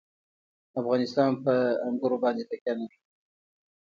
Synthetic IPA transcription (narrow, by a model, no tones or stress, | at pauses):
afɣɑnɪst̪ɑnpəaŋɡʊɾobɑnd̪et̪akʲjana